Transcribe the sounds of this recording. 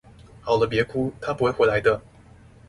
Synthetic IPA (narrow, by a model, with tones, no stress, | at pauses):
xɑ˨˩ʊlə˦p̬jɛ˧˥kʰu˥t̪ʰa˥pu˧˥xwe˥˩xwe˧˥la˧˥ɪd̪ə˧